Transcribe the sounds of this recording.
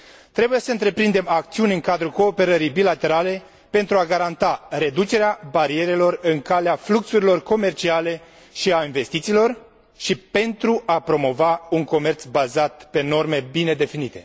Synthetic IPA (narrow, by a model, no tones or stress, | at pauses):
t̪ɾe̞buje̞səɨnt̪ɾe̞pɾind̪e̞mak̚t̪siunʲɨŋkad̪ɾuko̞ːpe̞ɾəɾijbilat̪e̞ɾale̞ | pe̞nt̪ɾuaɡaɾant̪are̞d̪ut͡ʃe̞ɾeabaɾie̞ɾe̞lo̞rɨŋkaleafluksuɾilo̞rko̞me̞rt͡ʃiale̞ | ʃiainve̞st̪it̪siːlo̞r | ʃipe̞nt̪ɾuʔapɾo̞mo̞vauŋko̞me̞rt̪sbazat̪̚pe̞no̞rme̞bine̞d̪e̞finit̪e̞